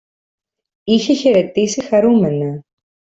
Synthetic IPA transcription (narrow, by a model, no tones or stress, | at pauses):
içeçeɾet̪isixɐɾumenɐ